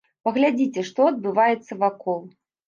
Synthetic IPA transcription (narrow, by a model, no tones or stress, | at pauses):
pɐɣlʲad͡zʲit͡sʲɛʂt̪ɔɐd̪̚bɨvajɛt̪sːɐvakɔlˠ